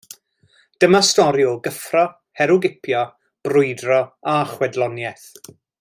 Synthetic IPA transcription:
d̥əmastɔɾjʊɡəfrɔ | hɛɾʊɡɪpʰjɔ | b̥rʊjdrɔaχwɛdlˠɔnjɛθ

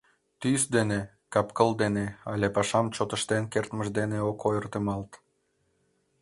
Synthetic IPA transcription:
t̪ysd̪ene | kɑpkəld̪eneɑlʲepɑʃɑmt͡ɕot̪əʃt̪enkert̪məʃd̪eneokʰojərt̪əmɑlt̪

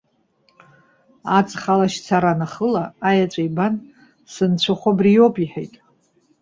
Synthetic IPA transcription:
at͡sʼχalaʃt͡sʰaɾanaχəlaːjat͡ʃʷʼajban | sɨnt͡ɕʷʰaχʷabrijopʼiħejtʼ

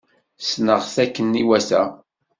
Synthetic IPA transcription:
snəʁθækːənːiwæsæ

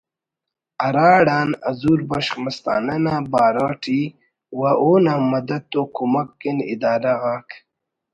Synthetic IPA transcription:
aɾaːɽaːna̰zuɾbaʂχmast̪a̰ːnanabaːɾaʈʰi | waʔoːnamad̪ad̪̚t̪ːokʰumakːenḭd̪aːɾaɣaːk

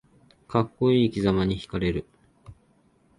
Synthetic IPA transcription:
kakːo̞iːkʲizamaɲ̟içi̥kaɾe̞ɾɯ̟

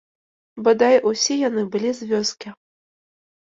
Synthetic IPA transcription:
bɨd̪ajʔusʲijanɨbɨlʲizʲvʲɔskʲi

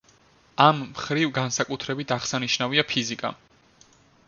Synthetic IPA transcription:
amːχɾivɡansakʼut̪ʰɾɛbit̪ʰaʁsaniʃnaviapʰizikʼa̰

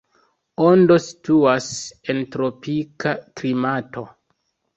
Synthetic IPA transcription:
ondo̞si̥tuasentɾo̞pikaklimato̞

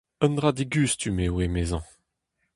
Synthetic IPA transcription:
ənd̪ʁad̪iɡyːstymewemezɑ̃

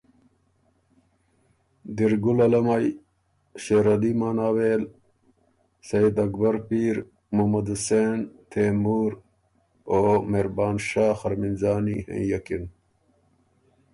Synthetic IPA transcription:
d̪iɾɡulɐlɐmaj | ɕeːɾɐlimaːnaːweːl | sɐjid̪ɐk̚bɐɾpiːɾ | momɐd̪useːnt̪ʰeːmuːɾ | oːmeɾbaːnʃaːxɐɾminzaːnihḛ̃jɐkin

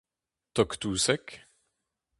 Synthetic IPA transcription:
t̪ɔkt̪uːsɛk

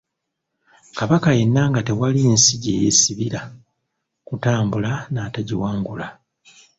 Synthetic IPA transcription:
kaβakaje̞nːaːŋɡate̞walinsiɟeːjḛsiβiɾa | kutaːmbulanaːtaɟiwaːŋɡula

